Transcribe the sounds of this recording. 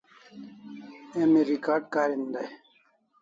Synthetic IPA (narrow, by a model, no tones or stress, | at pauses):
emiɾikaːɖ̚kaːɾind̪aj